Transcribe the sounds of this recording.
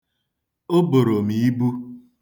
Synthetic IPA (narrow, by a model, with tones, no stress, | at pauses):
o˦bo˨ɾo˨mi˨i˦bu˦